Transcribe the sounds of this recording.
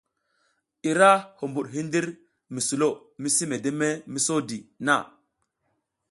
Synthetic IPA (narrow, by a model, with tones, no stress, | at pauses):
i˨ɾa˦ho˨mbu˨ɗɦi˦ndi˦ɾ | mi˨su˨lo˦˨ | mi˦si˦me˨de˦me˦mi˦so˦di˨na̰˦˨